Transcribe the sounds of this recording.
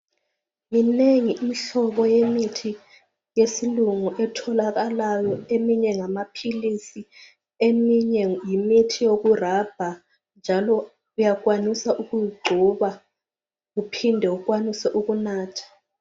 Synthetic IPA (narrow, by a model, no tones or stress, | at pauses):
mineŋiʔimiɬɔɓɔjemitʰi | jesiluŋuʔɛtʰɔlak̬alajɔemiɲɛŋamapʰilisi | emiɲɛjimitʰijok̬urab̥ʱa | nd͡ʒʱalɔ | ujak̬wanisaʔuk̬ujiɡ͡ǀʱuɓa | kupʰindʱɛuk̬wanisɛʔuk̬unaːtʰḁ